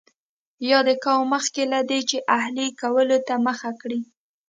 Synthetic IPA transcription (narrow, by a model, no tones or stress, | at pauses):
jɑd̪əkɑwməxkelad̪et͡ʃeʔahlikawəlot̪aməxakɽi